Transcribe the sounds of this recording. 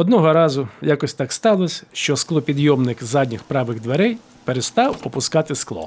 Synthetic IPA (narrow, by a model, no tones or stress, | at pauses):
ɔd̪nɔɦɔɾɑzʊjakɔsʲt̪ɑkst̪ɑlˠɔsʲɐʃt͡ʃɔsklˠɔpʲid̪jɔmnɪkzɑd̪ʲnʲɪxpɾɑʋɪɣd̪ʋeɾɛj | peɾest̪ɑwɔpʊskɑt̪ɪsklˠɔ̰